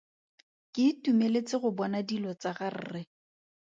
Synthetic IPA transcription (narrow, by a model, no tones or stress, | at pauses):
kɪtumelet͡sɪɣʊbɔnadilɔt͡saɣar̩̰ːrɪ